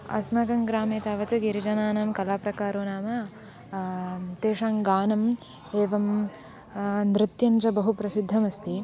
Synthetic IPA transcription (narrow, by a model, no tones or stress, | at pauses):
ɐ̰smɐɡɐŋɡɾaːmeːt̪aːʋɐt̪ɨɡiɾid͡ʒɐnaːnɐmkɐlaːpɾɐkaːɾoːnaːmɐ | t̪eːʂaːŋɡaːnɐm | eːʋɐm | nɾɪt̪jɐnt͡ʃɐbɐɦupɾɐsid̪ʱːɐmɐst̪i